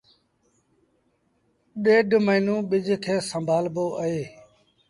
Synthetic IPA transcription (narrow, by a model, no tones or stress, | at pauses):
ɗeːɖʱməiːnũːɓɪd͡ʒkʰeːsəmbʱaːlboːʔəɦeː